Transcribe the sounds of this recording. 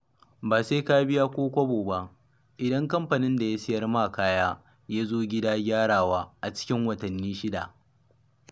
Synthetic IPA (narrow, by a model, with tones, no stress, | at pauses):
baː˨seː˦kaː˦bɪ˦jaː˦kʷoː˦kʷɐ˦boː˨ba˦ | ʔɪ˨dɐ˦ŋkɐ˦mɸa˨nɪ˦nda˨ja˦sɪ˦jɐ˦rmaː˦˨kaː˦jaː˦ | jaː˦zoː˦ɡʲɪ˦daː˦ɡʲaː˦ɽaː˨waː˦ʔa˨t͡ʃɪ̥˦kʲɪ˦ŋwɐ˨tɐ˨nːiː˦ʃɪ˦da̰˨ʔ